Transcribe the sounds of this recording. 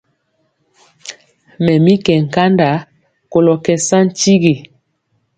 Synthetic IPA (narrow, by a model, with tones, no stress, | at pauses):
mɛ˨mi˦kɛ˨ŋ̩˨ka˦nda˨ | ko˨lɔ˨kɛ˨sa˦n̩˦t͡ʃi˦ɡi˨